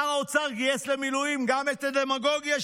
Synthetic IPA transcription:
aot͡saʁɡijeslemilujimɡamet̪ad̪emaɡo̞ɡjaʃ

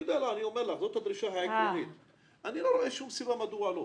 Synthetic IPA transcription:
d̪elaaniomeɾlaχzot̪had̪ɾiʃaɦaeklonit̪ | ʔaniloɾoʔeʃumsibamad̪ualo

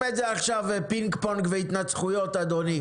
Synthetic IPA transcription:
etzeaχʃavepiŋkponkveit̪nat͡sχujo̞t̪ad̪o̞ni

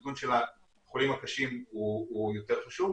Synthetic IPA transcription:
ɡunʃela | χolimakaʃimuujo̞t̪e̞ʁχaʃuv

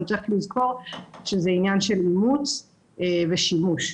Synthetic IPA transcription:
t͡seχlizko̞ʁʃezeinjanʃelimut͡s | eveʃimuʃ

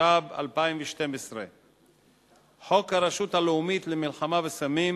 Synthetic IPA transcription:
aba̰lpaimveʃte̞mesʁe | ħo̞khaɾaʃut̪haleumit̪lemilχamavesamim

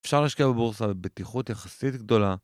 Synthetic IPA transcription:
efʃaʁleːaʃkiabebuʁsabebet̪iχut̪jaχasit̪ɡ̚d̪o̞la

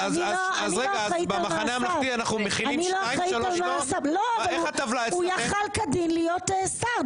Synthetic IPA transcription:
azniloaazʁeɡaaitbamaaaneamnaianaχnumeχilainloajaialtalmosabloavaeat̪avlaeujaχalkadinlijotesab

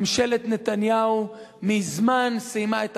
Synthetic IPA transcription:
mʃelet̪net̪anjaumizmansimaet̪

